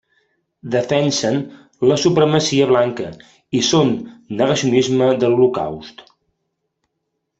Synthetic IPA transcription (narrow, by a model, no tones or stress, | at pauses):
d̪əfɛnsən | ləsupɾəməsiəβ̞laŋkə | isonːəɣəsiunizməðəlˠluka̰wst̪